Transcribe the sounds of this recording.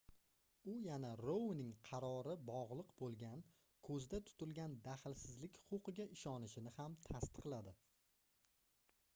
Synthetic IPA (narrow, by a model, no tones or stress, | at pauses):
ʊjanaɾownɪŋqʰɑɾɒɾɪbɒʁlˠɨqbolˠɡʲan | kʰɵzd̪at̪ʰʊ̥t̪ɪlɡʲand̪aχɪlsɪzlɪkʲhʊ̥qʊqʰɨɡʲaʔɪʃɒnɪʃɪnɪhamt̪ʰast̪ɨ̥qlˠad̪ɪ